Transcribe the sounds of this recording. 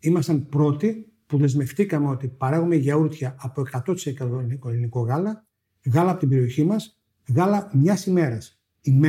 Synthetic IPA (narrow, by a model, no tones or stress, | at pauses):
imɐst̪ɐnpɾo̞t̪i | puðe̞zme̞ft̪ikɐmeo̞t̪ipɐɾɐɣume̞ʝɐuɾt̪çɐːpoe̞kɐt̪o̞t̪i̥sekɐt̪oikoliniko̞ɣɐlɐ | ɣɐlɐɐpot̪imbe̞ɾio̞çimɐs | ɣɐlɐmɲɐsime̞ɾɐs | im